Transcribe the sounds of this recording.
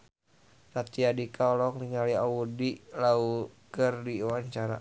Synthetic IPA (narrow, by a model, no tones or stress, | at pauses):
sat̪iadikaɔlɔŋniŋaliaudilaukərdiwaɲt͡ʃaɾa̰